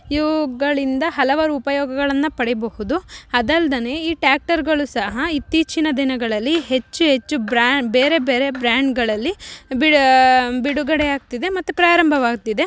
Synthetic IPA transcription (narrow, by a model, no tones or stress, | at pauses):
jʋɡɐɭind̪ɐɦɐlɐʋaːɾuːpɐjɔːɡɐɡɐɭɐnːɐpɐɽɛbɐhud̪uɐd̪ɐld̪ɐneiːʈaːk̚ʈɐɾɡɐɭusɐɦɐit̪ːiːt͡ʃinɐd̪inɐɡɐɭɐlːiɦe̞t͡ʃːuɦe̞t͡ʃːubɾabe̞ːɾe̞beːɾe̞bɾaːɳɖɡɐɭɐlːibi | biɽuɡɐɽejaːɡ̚t̪id̪e̞mɐt̪ːupɾaːɾɐmbʱɐʋaːɡt̪id̪e̞